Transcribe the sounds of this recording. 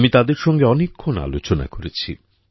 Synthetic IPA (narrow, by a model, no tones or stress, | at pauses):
mit̪ad̪eɾʃɔŋɡeɔnekʰːona̰lot͡ɕona̰koɾet͡ɕʰḭ